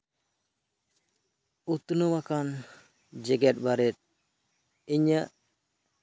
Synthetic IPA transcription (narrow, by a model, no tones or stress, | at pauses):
ut̪nɔwakan | d͡ʒɛɡɛt̪̚baɾɛt̪̚ | iɲəʔ